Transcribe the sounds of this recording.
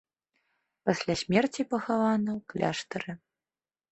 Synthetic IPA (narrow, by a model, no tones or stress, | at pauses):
pasʲlʲasʲmʲɛrt͡sʲipɐxavanɐklʲa̰ʂt̪ɐɾɨ